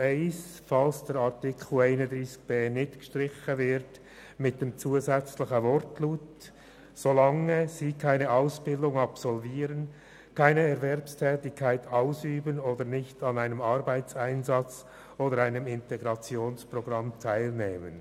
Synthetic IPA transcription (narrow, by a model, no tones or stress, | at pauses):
eɪsfɑlsd̥ɛːɾɑʁtɪkʰueɪnədʁiːsk̚b̥eːnɪtɡ̥ʃtʁɪçəvɪɾt | mɪt̚d̥eːmt͡suːəzɛt͡slɪçəvɔrtluːt | solɑŋəziːkʰaɪnəʔaʊsb̥ɪldʊŋɑpsɔlviːɾən | kʰaɪnəɛɾvɛrpstʰɛːtɪçkʰːaɪtʰaʊsyːbənoːdənɪçtɑnaɪnəmɑɾbaɪt͡saɪnzɑt͡s | oːdəɾaɪnəmɪntɛɡɾɑt͡sjoːnsproɡ̥ʁɑmtʰaɪlneːmə̰n